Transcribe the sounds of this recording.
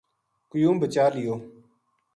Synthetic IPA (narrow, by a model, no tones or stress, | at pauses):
kʊjũːmbət͡ʃaːlɪjoː